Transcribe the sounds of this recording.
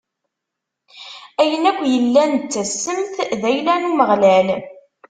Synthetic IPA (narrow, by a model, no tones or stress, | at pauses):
æjənækʷːjəlːænt͡sːæsːəmθðæjlænuməʁlæl